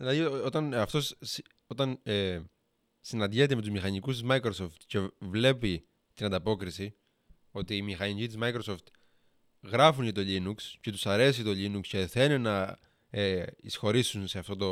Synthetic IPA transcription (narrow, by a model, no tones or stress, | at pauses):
ðilɐðiot̪ɐnɐft̪o̞s | o̞t̪ɐne | sinɐnd̪ʝet̪eme̞t̪uzmixɐɲikust̪izmɐjkɾoso̞ft̪ce̞vle̞pi | t̪inɐnd̪ɐpo̞kɾisi | o̞t̪iːmixɐnicit̪izmɐjkɾoso̞ft̪ | ɣɾɐfunet̪o̞ʎinuksce̞t̪u̥sɐɾe̞sit̪o̞ʎinuksceθe̞nenɐ | eisxo̞ɾisunse̞ɐft̪o̞t̪o